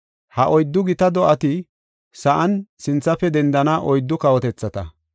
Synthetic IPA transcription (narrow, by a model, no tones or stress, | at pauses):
hɐʔɔjd̪ːʊɡɪt̪ɐd̪ɔʔɐt̪ɪ | sɐʔɐnsɪnt͡sːɐfɛd̪ɛnd̪ɐnɐʔɔjd̪ːʊkɐwɔt̪ɛt͡sːɐt̪ɐ